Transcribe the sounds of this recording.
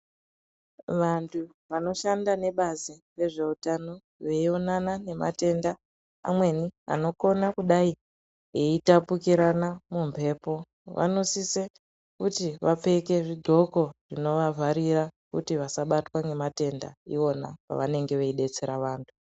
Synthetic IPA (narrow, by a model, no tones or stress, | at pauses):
ʋantʰu | ʋano̞ʃandane̞ɓazire̞ʐe̞utano̞ | ʋe̞io̞nanane̞ma̰te̞nda | a̰mwe̞nia̰no̞ko̞nakuɗai | eitapukiɾanamumpʰe̞ːpo̞ | ʋʔa̰no̞sise | kutiʋap͡fe̞keʐiɡʱo̞ko̞ʐ̥ino̞ʋavʱaɾirakutiʋasaɓatwane̞mate̞nda̰ḭo̞na̰pa̰ʋane̞ŋɡe̞ʋe̞iɗe̞t͡se̞ɾaʋaːntʰu̥